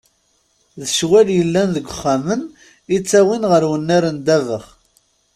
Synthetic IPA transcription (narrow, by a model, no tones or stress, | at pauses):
ðəʃwæljəlːænðəɡʷʊχːamən | it͡sːæwinʁəɾwənːæɾənd̪ævəχ